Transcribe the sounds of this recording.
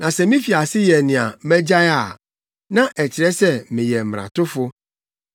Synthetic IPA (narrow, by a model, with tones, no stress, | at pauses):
nã˨sɛ˨mĩ˦fi˨a˨sɪ˦jɛ˨nɪ̃˨a˨mɛ̃˦d͡ʑa˦ja˨ | nã˦ʔɛ˨t͡ɕɪ˨ɾɛ˦sɛ˦mɪ̃˨jɛ˨m̩˨ɾã̰˨tʊ˦fʊ˦